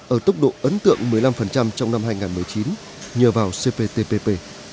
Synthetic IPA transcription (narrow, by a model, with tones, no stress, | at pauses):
ʔəː˧˩t̪ə˦˥wk͡p̚ɗo̰˧˨ʔə˨˦nt̪ɨ̰˧˨əŋmɨ˨˩əjla˧mfə˨˩nt͡ɕa˧mt͡ɕɔ˧wŋ͡mna˧mɦaː˧jŋaː˨˩nmɨ˨˩əjt͡ɕi˨˦n | ɲəː˨˩vaː˨˩wse˧pe˧t̪e˧pe˧pe˧